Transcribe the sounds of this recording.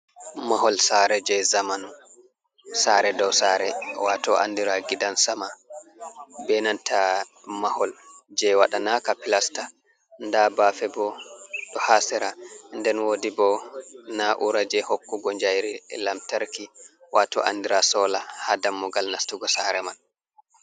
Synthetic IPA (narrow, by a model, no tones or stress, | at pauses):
maɦɔlsaɾɛd͡ʒɛzamanu | saɾɛdɔwsaɾɛwatɔʔa̰ndiɾaɡidansama | bɛnanta | mahɔld͡ʒɛwaɗanakapilasta | ndabafɛbɔɗɔhasɛɾandɛnwodibɔnaʔuɾad͡ʒɛhokːuɡɔɲd͡ʒajɾilamtaɾkiwatɔ̰ʔa̰ndiɾasɔlahadamːɔɡalnastuɡɔsaɾɛmal